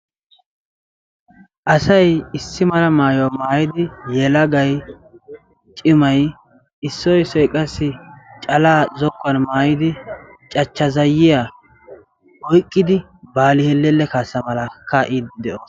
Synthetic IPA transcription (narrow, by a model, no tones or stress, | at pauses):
ʔɐsɐjɪsːɪmɐlɐmaːjɔmaːjɪd̪ɪjɛlɐɡɐj | t͡ʃʼɪmɐj | ɪsːɔjsɔjkʼɐsːɪt͡ʃʼɐlaːzɔkʼːɐnmaːjɪd̪ɪ | t͡ʃʼɐt͡ʃːɐzɐjɪja | ɔjkʼːɪd̪ɪ | baːlɪhɛlːɛlːɛkaːsːɐmɐlɐkɐʔɪd̪ɛʔoːs